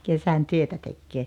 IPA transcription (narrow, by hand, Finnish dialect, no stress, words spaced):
kesæn tyøtæ tekːeː